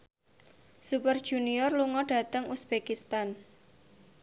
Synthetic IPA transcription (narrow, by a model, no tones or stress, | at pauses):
supərd̥ʒ̥uniɔrluŋɔɖ̥ä̤t̪əŋusb̥ekist̪an